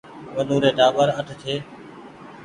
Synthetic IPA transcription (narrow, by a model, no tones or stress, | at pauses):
ʋənuːɾeːd̪aːʋəɾət̪ʰt̪ʰeː